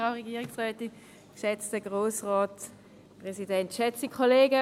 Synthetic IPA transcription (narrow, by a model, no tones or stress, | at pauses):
ʁaʊʁɛɡiːʁɪksʁɛːtɪn | kʃɛt͡stəɡʁoːsʁɔːt | pʁɛsidɛntʃɛt͡sikʰoleːɡə